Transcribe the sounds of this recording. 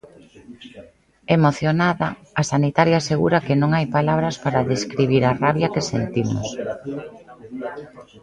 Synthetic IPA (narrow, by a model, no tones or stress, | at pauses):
emoθjonaðɐː | sanit̪aɾjaːseɣuɾakenõŋajpalaβ̞ɾɐspaɾaðeskɾiβ̞iɾaraβjakesḛnt̪imʊ̰s